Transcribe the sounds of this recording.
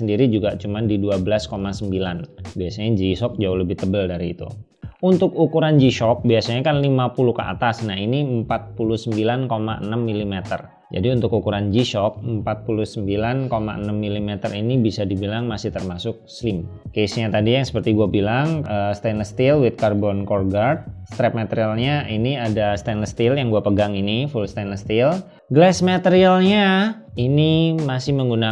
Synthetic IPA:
səndiɾid͡ʒuɡat͡ʃumandiduabəlaskomasəmbilanbiasaɲad͡ʒisɔk̚d͡ʒaʊləbɪht̪əbəldaɾiːt̪ṵ | unt̪ʊkukuɾand͡ʒiʃɔk̚biasaɲakanlimapuluhkəʔa̰t̪asnaɦiniəmpat̪̚puluhsəmbilankomaʔə̰namːilimɛt̪ə̰r | d͡ʒa̰diunt̪ʊkukuɾand͡ʒiʃɔk̚əmpat̪̚puluhsəmbilankomaə̰nəmːilimɛt̪ərinibisadibilaŋmasɪht̪ərmasʊk̚slɪmkesɲat̪adijaŋsə̥pərt̪iɡuabilaŋəst̪anəst̪ɪlwɪt̪̚karbɔnkɔrɡart̪̚st̪ɾɛp̚mat̪əɾialɲaʔiniadast̪anəst̪ɪljaŋɡuapəɡaŋinifulst̪anəst̪ɪl | ɡlɛsmat̪əɾialɲa | inimasɪhməŋɡuna

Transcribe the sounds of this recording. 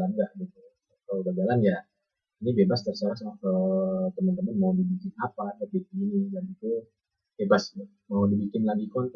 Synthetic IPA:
anɡaʔɡit̪u | kaloɡad͡ʒalanja | inibebast̪ərsaasaakət̪əmant̪əmanmaudibikɪnapakəbek̚iinidanit̪u | bebas | maudibikɪnlaɡikɔn

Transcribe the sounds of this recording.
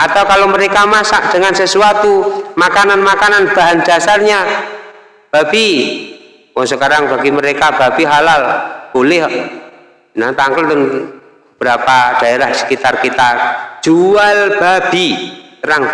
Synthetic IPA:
ʔat̪awkaloməɾekamasaʔd̥əŋansəsuat̪umakananmakananb̥a̤ɦand͡ʒ̥asarɲa | b̥abi | wɔŋsəkaɾaŋbaɡiməɾekab̥ab̥iɦalalb̥olɛh | nat̪aŋkəld̪ən | bəb̥əɾapad̥aeɾahsə̥kit̪arkit̪ḁd͡ʒ̥ualb̥ab̥it̪əɾaŋ

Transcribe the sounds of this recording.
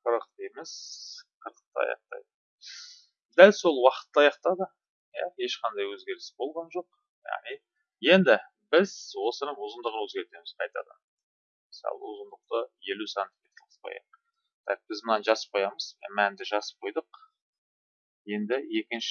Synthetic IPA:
qʰəɾəq̚t̪emesqʰəɾəq̚t̪əɑ̰jɑ̰q̚t̪ɑ̰jd̪ə | d̪ælso̞lˠwɑqə̥t̪ːəɑjɑqt̪ɑd̪ə | jɑe̞ʃqɑnd̪ɑjwɵzɡʲe̞ɾɪsbo̞lˠʁɑnʒo̞q̚ | jɑ̰ʁnij | je̞nd̪ɪ | bɪzwo̞sənəɴwʊzənd̪əʁwɵzɡʲe̞ɾt̪e̞mɪz̥qʰɑjt̪ɑ̰d̪ə̰ | məsɑ̰lˠə̰wʊzənd̪əq̚t̪əje̞lusɑnt̪kʰʲet̪ʰlˠəsqʰo̰jɑ̰ | t̪ʰɑ̰q̚b̥ɪzmənɑnʒɑsə̥p̚qʰo̞jɑməz̥̰mænd̪ɪʒɑsə̥p̚qʰo̞jd̪əq̚ | je̞nd̪ɪje̞kʲɪnʃ

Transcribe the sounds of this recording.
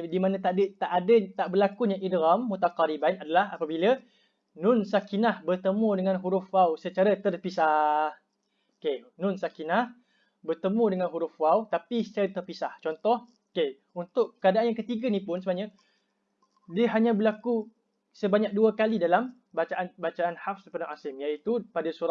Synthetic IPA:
dimanãt̪aʔdət̪aʔadət̪aʔbərlakuɲaŋʔidɾamːut̪aqaɾibainadalahapabilə | nʊnsakinahbərt̪əmũdəŋanɦuɾufwawsət͡ʃaɾat̪ərpisah | kenʊnsakinah | bərt̪əmũdəŋanɦuɾufwawt̪apisə̥t͡ʃaɾat̪ərpisaht͡ʃɔnt̪ɔh | ke | unt̪ʊʔkəadaʔanjãkət̪iɡanĩpʊnsəbaɲa | diəɦaɲãbəlaku | səbaɲak̚duakalidalam | bat͡ʃaʔanbat͡ʃaʔanhafsəpənaʔasɪmjait̪upadasuɾa

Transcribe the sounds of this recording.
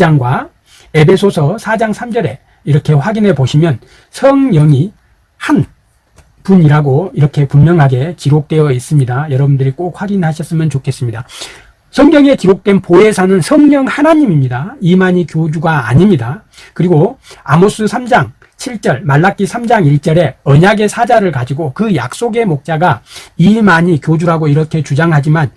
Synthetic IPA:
aŋɡwa | e̞bʰe̞sʰosʰʌsʰad͡ʑaŋsʰamd͡ʑʌɾe̞ | iɾʌkʰe̞ɸwaɡinɦe̞poɕʰimjʌn | sʰʌŋɲʌŋi | han | puniɾaɡoiɾʌkʰe̞pummjʌŋɦaɡe̞kiɾok̚t͈we̞jʌis͈ɯmɲidajʌɾʌbundɯɾik͈ok̚ɸwaɡinɦaɕʰʌs͈ɯmjʌnt͡ɕokʰe̞s͈ɯmɲida | sʰʌŋɡʌŋe̞kiɾok̚t͈we̞npoɦe̞sʰanɯnsʰʌŋɲʌŋhanaɲimimɲidaimaɲikjod͡ʑuɡaa̰ɲimɲida | kɯɾiɡoamos͈ɯsʰamd͡ʑaŋ | t͡ɕʰiɭt͡ɕ͈ʌɭmaɭːak͈isʰamd͡ʑaŋiɭt͡ɕ͈ʌɾe̞ʌɲaɡe̞sʰad͡ʑaɾɯɭkad͡ʑiɡokɯja̰k̚s͈oɡe̞mok̚t͡ɕ͈aɡaimaɲikjod͡ʑuɾaɡoiɾʌkʰe̞t͡ɕud͡ʑaŋɦad͡ʑiman

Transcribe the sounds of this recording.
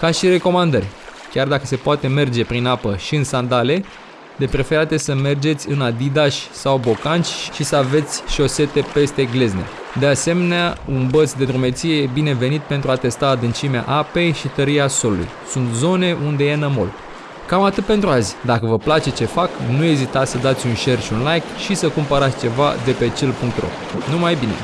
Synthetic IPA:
kaʃire̞ko̞mand̪ərʲ | kʲard̪akəse̞poat̪e̞me̞rd͡ʒe̞pɾinapəʃiɨnsand̪ale̞ | lepɾefeɾat̪e̞səme̞rd͡ʒe̞t̪sʲɨnad̪id̪aʃʲsawbo̞kant͡ʃʲʃisəave̞t̪sʲʃo̞se̞t̪e̞pe̞st̪e̞ɡle̞zne̞̰ | d̪e̞ase̞me̞neaunbət̪sd̪e̞t̪ɾume̞t̪sije̞jebine̞ve̞nit̪̚pe̞nt̪ɾuat̪e̞st̪ad̪ɨnt͡ʃimea̰ʔape̞jʃit̪əɾiaso̞lulṵjsunt̪zo̞ne̞ʔund̪e̞je̞nəmo̞̰l | kamat̪ɨt̪̚pe̞nt̪ɾuazʲd̪akəvəplat͡ʃe̞t͡ʃe̞faknue̞zit̪at̪sʲsəd̪at̪sʲunʃe̞rʃiunlajkʃisəkumpəɾat̪sʲt͡ʃe̞va̰d̪e̞pe̞t͡ʃelpuŋk̚t̪ro̞̰ | numajbine̞̰

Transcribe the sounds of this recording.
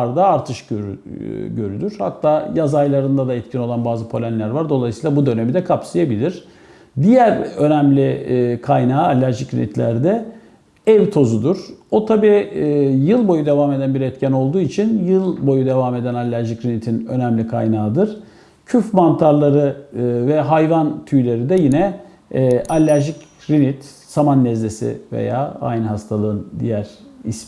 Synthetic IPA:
ɾd̪aːɾt̪ʰɯʃøɾɟø̞ɾylʲyɾ̥ha̰t̪ʰːaːjazajlˠaɾɯnd̪ad̪aɛt̪̚cʰino̞lˠanbaːzɯpʰo̞lʲænlʲæɾvaɾd̪o̞lˠajsiːlˠabud̪ø̞ne̞mid̪ɛkʰapsɯjabilʲiɾ̥ | d̪ijæɾø̞næmlʲikʰajnaːalʲːæɾʒicʰlʲḭnit̪lʲæ̰ɾd̪ɛ | ɛvt̪ʰo̞zud̪uɾ̥o̞t̪ʰabiːjɯlˠbo̞jud̪e̞vaːme̞d̪ænbiɾɛt̪cʰæno̞lˠd̪uːit͡ʃʰinjɯlˠbo̞jud̪e̞vaːme̞d̪ænalʲːæɾʒicɾinit̪ʰinø̞næmlʲikʰa̰jnaːd̪ɯɾ̥ | cʰyfmant̪ʰaɾlˠaɾɯvɛɦajvant̪ʰyjlʲe̞ɾid̪ɛjinɛ | ʔalʲːæɾʒicɾinit̪ | samanːɛzle̞sḭvḛja̰ːa̰jnɦast̪ʰalˠɯɯnd̪ḭjæɾ̥is

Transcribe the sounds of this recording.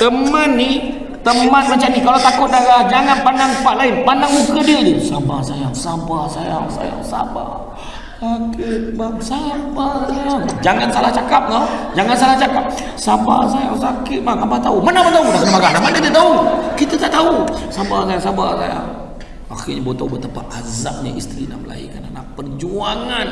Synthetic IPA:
t̪əmmanːi | t̪əmmat̪̚mat͡ʃamnikalat̪akʊt̪̚dalahd͡ʒaŋanpandaŋfaʔlaipandaŋmusəkədəd̪usabasajaŋsabasaja̰ŋsa̰ja̰ŋsa̰ba̰ | sakɪt̪̚baŋsajabasajaŋd͡ʒaŋansalaht͡ʃakap̚nad͡ʒaŋans̬alaht͡ʃakap̚ | saba̰s̬ajaŋsakɪt̪̚maŋabat̪aumanabat̪audakənamaɡanamandkt̪ət̪aukit̪at̪aʔt̪ausabasajaŋsabasa̰ja̰ŋ | a̰xirɲabot̪ɔbət̪apaʔaza̰ʔ̚ɲa̰ʔḭst̪ɾina̰mla̰ḭkana̰napərd͡ʒuaŋan

